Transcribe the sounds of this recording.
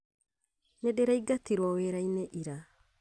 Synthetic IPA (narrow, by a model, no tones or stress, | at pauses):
nedeɾaiɡatiɾwɔweɾainɛʔiɾa